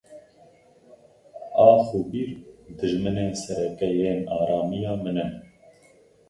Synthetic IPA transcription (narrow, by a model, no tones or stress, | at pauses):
ɑːxubiːɾd̪ɨʒmɨneːnsɛɾɛkɛjeːnɑːɾɑːmijɑːmɨnɛ